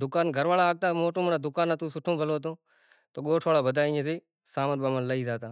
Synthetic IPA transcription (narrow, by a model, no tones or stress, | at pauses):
d̪ʊkaːnɡʱəɾʋaːɭaːɡ̚t̪ãːmoːʈũːmənad̪ʊkaːnãːt̪ũːsʊʈʰõːbʱəloːt̪̬õː | t̪oːɠoːʈʰʋaːɭaːbəd̪ʱaːĩeːsiː | saːməɾbamənləiːzaːt̪ãː